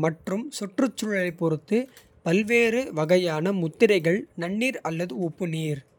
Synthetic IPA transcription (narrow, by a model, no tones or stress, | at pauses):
mɐʈrɯmsʊʈrɯt͡ʃːʊɻɐɐɪpːɔɾɯt̪ːɯ | pɐlʋeːɾɯʋɐɣɐjaːnɐmʊt̪ːɪɾɐɪɣɐɭnɐɳːiːɾɐlːɐðɯʊpːɯniːɾ